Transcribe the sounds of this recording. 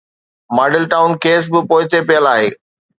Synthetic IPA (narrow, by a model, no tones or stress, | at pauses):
maːɖɪlʈaːʊnkeːs̬bɪpoːɪt̪epijəlaːɦeː